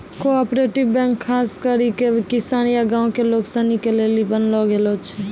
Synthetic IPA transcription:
koɔpɾeʈibbɛ̃ŋkʰːaːskəɾikekɪsaːnjaɡãːõkeloksanikelelibənlɔɡelot͡ʃʰɛ

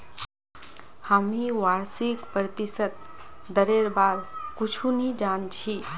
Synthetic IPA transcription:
hamiwaɾsikpɾət̪isət̪̚ | d̪əɾeɾbaɾkut͡ʃʰunid͡ʒant͡ʃʰi

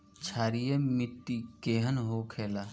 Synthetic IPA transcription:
t͡ʃʰaːɾijemɪt̪ːikeːɦənɦokʰeːla

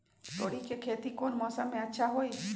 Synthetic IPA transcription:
t̪oɽikekʰeːt̪ikonmɔsamẽətːʃʰaɦoj

